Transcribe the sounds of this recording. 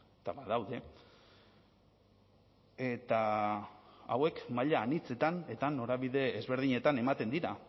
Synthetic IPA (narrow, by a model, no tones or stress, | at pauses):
t̪aβaðawðe̞ | e̞t̪a | awe̞kmaʎaːnit͡se̞t̪ane̞t̪ano̞ɾaβiðe̞ːzβe̞ɾð̞iɲe̞t̪ane̞mat̪e̞nd̪iɾa